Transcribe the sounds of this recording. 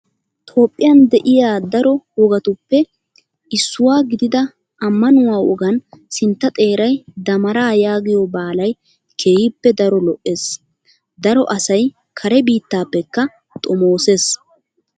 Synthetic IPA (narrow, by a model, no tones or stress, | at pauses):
t̪ʰo̞ːpʼːɪjɐnd̪ɛʔɪjaːd̪ɐɾɔwɔɡɐt̪ʊpːɛ | ɪsːʊwaːɡɪd̪ɪd̪ɐ | ʔɐmːɐnʊwaːʔɔɡɐnsɪnt̪ːɐt̪ʼe̞ːɾɐjd̪ɐmɐɾaːjaːɡɪjɔbaːlɐj | kʰeːhɪpːɛd̪ɐɾɔlɔʔːe̞ːs | d̪ɐɾɔʔɐsɐj | kʰɐɾɛbiːt̪ːaːpːɛkːɐ | t̪ʼɔmoːseːs